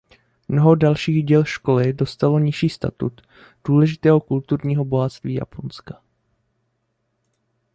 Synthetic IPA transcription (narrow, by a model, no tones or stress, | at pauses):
mno̞ɦodalʃiːɣɟɛlʃko̞lɪdo̞st̪alo̞ɲɪʃiːst̪a̰t̪ṵt̪ | d̥uːlɛʒɪt̪ɛːɦo̞kult̪uɾɲiːɦo̞bo̞ɦat̪st̪viːja̰pʰonskḁ